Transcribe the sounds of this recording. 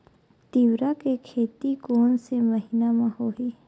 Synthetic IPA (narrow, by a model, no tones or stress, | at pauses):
t̪iwɾakekʰeːt̪ikoːnseməɦɪnamãhoːɦiː